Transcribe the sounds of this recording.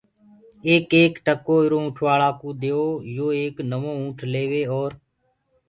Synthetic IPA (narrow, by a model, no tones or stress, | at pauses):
eːkeːkʈəkoːɪɾoːũːʈʰʋaːlaːkũːd̪eːoːjoːeːknəmõːũːʈʰleːʋeːoːɾ